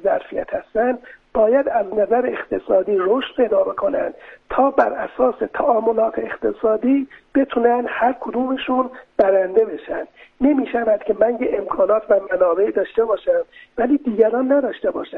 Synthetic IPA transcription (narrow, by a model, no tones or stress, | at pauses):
zæɾfijæ̰t̪hæst̪ænd̪b̥ɒːjæd̪æznæzæɾeext̪ʰesɒːd̪iːɾoːʃt̪pʰe̞jd̪ɒːbe̞kʰo̞næ̰nd̪̥t̪ʰɒːbæɾæsɒːset̪ʰæʔɒːmolɒːt̪ʰeext̪ʰesɒːd̪iːb̥e̞t̪ʰunænd̪hæɾkʰod̪uːmeʃunb̥æɾænd̪e̞be̞ʃænd̪̥ne̞miːʃævæd̪̥̚cʰʲe̞mænjeʔemkʰɒːnɒːt̪ʰvæmænɒːbeʔid̪ɒːʃt̪e̞bɒːʃæmvæliːd̪iːɡæɾɒːnːæd̪ɒːʃt̪ebɒːʃæn